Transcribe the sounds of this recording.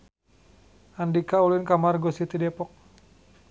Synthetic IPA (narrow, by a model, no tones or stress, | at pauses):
ʔandikaulinkamarɡɔsit̪idɛpɔk̚